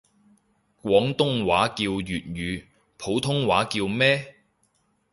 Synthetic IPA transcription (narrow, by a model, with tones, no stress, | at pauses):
kwɔː˨˥ŋt̪ʊ˥ŋwaː˨˥kiː˧wjyː˨t̚ɥyː˨˧ | pʰo˨˥wt̪ʰʊ˥ŋwaː˨˥kiː˧wmɛː˥